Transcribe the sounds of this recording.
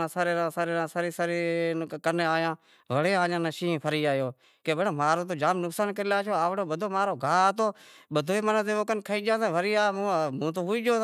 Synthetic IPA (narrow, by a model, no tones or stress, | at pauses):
ãːsaːɾeːãːsaːɾeːãːsaɾiːsaɾiːkəɾneːaːjãː | ʋəɽeːaːd͡ʒãːnãːʃĩːpʰəɾiːaːjoː | keːɓənaːmaːɾoːt̪̬oːd͡ʒaːmnʊksaːnkəɾiːlaːʃʰoːaːʋɽoːɓəd̪ʱoːmaːɾoːɡʱaːt̪oːɓəd̪ʱoːeːmənət̪eːoːkənkʰəiːd͡ʒãːsːʋəɾiːãːmũːt̪̬oːɦuiːd͡ʒoː